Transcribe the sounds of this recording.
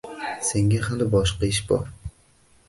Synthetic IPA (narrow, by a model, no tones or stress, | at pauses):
se̞ŋɡʲahad̪ɪbɒʃqɑɪʃbɒ̰ɾ